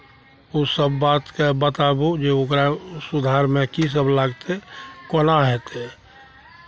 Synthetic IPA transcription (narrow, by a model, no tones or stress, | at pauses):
osəbːaːt̪kebət̪abud͡ʒeʊkɾasud̪ʱaɾmẽkis̬əblaɡt̪ekonaɦɛt̪e